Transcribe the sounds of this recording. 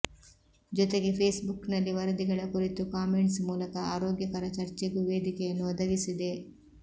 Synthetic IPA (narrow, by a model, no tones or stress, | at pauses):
d͡ʒɔt̪eɡe̞pʰeːsbuknɐlːiʋɐɾɐd̪iɡɐɭɐkuɾit̪ukaːme̞ɳʈsmuːlɐkɐaːɾoːɡjɐkɐɾɐt͡ʃɐɾt͡ʃeɡuʋeːd̪ikɛjɐnːuɔd̪ɐʋisid̪e̞